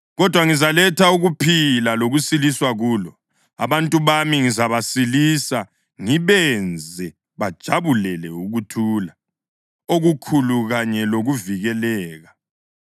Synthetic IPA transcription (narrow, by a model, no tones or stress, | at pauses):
ɣɔd̥ʱwaŋizalɛtʰauɣupʰilaloɣusiliswaɣuːlɔ | a̰βantʼuβamiŋizaβasilisa | ŋiβɛnd͡zʱɛ | βad̥ʒ̥ʱaβulɛlɛuɣutʰuːla | oɣukʰuluɣaɲɛloɣuviɣɛlɛːɣa